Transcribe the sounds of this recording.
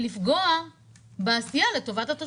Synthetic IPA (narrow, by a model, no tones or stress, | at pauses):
lifɡoa | beasijale̞to̞vatat̪o